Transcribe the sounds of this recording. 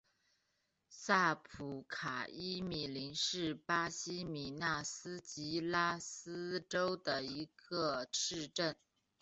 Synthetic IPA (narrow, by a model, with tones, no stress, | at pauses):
sa˥˩pʰu˧˨˩kʰa˨˩i˥mi˨˩li˧˥nʂɻ̩˥˩pa˥ɕi˥mi˨˩na˥˩sɹ̩˥t͡ɕi˧˥la˥s̩˥ʈ͡ʂo˥ʊd̪ə˨˩i˧˥ɡə˧ʂɻ̩˥˧ʈ͡ʂə˥˩n